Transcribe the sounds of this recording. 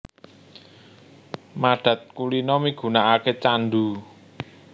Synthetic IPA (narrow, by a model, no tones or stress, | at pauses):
maɖ̥ä̤t̪̚kulinɔmiɡ̥ṳnaʔaket͡ʃanɖ̪u